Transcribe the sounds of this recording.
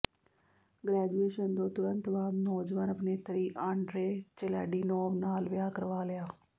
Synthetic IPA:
ɡɾɛːd͡ʒueːʃənd̪õːt̪ʊɾənt̪baːd̪nɔːd͡ʒʋaːnəpneːt̪əɾiːʔãːɳɖɾeːt͡ʃela̰ːɖiːnɔːʋnaːlʋɪjaːkəɾʋaːlɪjaː

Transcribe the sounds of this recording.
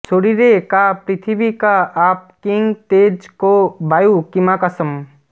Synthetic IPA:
t͡ʃʰoɽiɾekapɾɪt̪ʰibikaaːp̚kiŋɡt̪eːd͡ʒkobaːjukimakasəm

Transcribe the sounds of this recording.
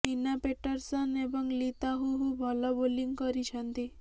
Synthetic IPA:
inapeʈɔɾsɔnebɔŋlit̪aɦuɦubʱɔlɔboliŋkɔɾit͡ʃʰɔnt̪i

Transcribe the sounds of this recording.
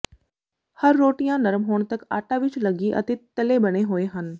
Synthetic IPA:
hɐɾːoːʈijãnɐɾmɦoːɳ̃t̪əka̰ːʈaʋɪt͡ʃlɐɡiʔɐ̰t̪ɪt̪ːɐlebɐɽ̃eɦoeɦɐn

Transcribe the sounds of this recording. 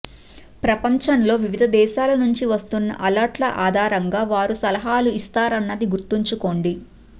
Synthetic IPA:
pɾɐpɐɲt͡ʃɐnlo̞ːʋiʋid̪ʱɐd̪ɛːʃaːlɐnuɲt͡ʃiʋɐst̪unːɐ̰ʔɐlɐɾʈlɐʔaːd̪ʱaːɾɐŋɡaːʋaːɾusɐlɐɦaːluist̪aːɾɐnːɐd̪iɡuɾt̪iɲt͡ʃuko̞ːɳɖi

